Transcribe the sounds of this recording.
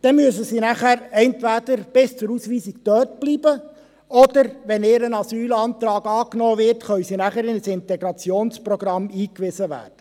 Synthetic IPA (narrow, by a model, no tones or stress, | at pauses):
d̥ɛnmyəsəsiːnæχæɾɛntʋæd̥əɾb̥ɪst͡sʊɾusʋiːsikt̪œːt̚b̥liːb̥ə | ɔd̥̪əɾʋɛneːɾənɑsyːlɑːnt̪ɾɑːɡɑːknɔːvɪɾtχœwsinæχəɾɪnəsɪntɛɡɾɑt͡sjoːnsprɔɡ̥ɾɑmiːkʋɪsəʋæ̰ːɾd̥ə